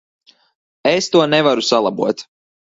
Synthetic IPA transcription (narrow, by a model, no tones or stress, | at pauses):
est̪uɔnɛvaɾusalˠabuɔt̪